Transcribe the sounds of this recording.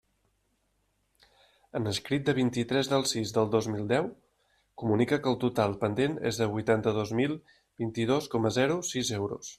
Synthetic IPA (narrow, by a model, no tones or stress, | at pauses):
ənəskɾit̪̚d̪əβ̞int̪it̪ɾɛzðəlˠsizðəlˠd̪ozmilˠd̪ɛw | kumunikəkəːlˠt̪ut̪alˠpənd̪enḛzðəβujt̪ant̪əðozmilˠ | bint̪ið̞oskɔməzɛɾusizewɾṵs